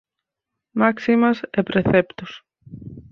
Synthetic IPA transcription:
maksimɐsepɾeθept̪us

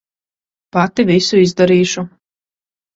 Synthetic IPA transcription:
pat̪ivisuizd̪aɾiːʃu

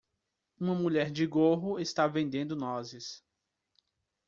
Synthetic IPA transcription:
ũmɐmuʎɛɾd͡ʒɪɡoɦʊest̪avẽnd̪ẽnd̪ʊnɔzɪs

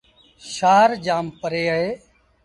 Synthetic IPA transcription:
ʃaːɾd͡ʒaːmpəɾeːəɦeː

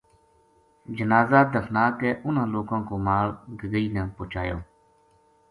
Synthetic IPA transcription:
d͡ʒənaːzaːt̪d̪əfʰnaːkɛːʔʊnãːloːkãːkoːmaːɭɡəɡəiːnɛ̃ːpoːt͡ʃaːjo̰ː

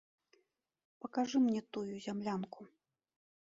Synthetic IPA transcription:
pɐkaʐɨmnʲɛt̪ujuzʲamlʲanku

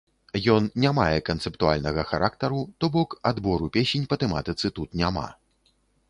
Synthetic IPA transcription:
jɔnnʲamajɛkɐnt̪sɛpt̪ua̰lʲnɐɣɐxaɾʔakt̪ɐɾut̪ɔbɔkad̪bɔɾupʲesʲenʲpɐt̪ɛma̰t̪ɨt̪sɨt̪ut̪nʲama̰

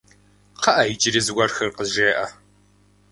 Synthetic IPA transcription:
qɐʔɐjd͡ʒɪɾizɡʷɐrxɐrqəʒeːʔɐ

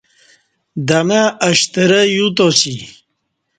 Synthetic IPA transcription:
d̪amaːɕt̪əɾəjut̪osi

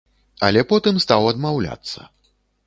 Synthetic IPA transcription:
ɐlʲɛpɔt̪ɨmst̪awɐd̪mawlʲa̰t̪sːɐ̰

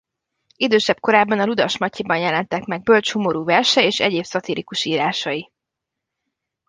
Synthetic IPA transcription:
id̪øːʃɛb̚ko̞ɾaːbːɒnɒlud̪ɒʃmɒcʰːibɒnjɛlɛnt̪ɛkmɛɡ̚bø̞lt͡ʃhumo̞ɾuːvɛrʃɛjeːʃɛ̰ɟeːbsɒt̪ilikuʃiːɾaːʃɒji

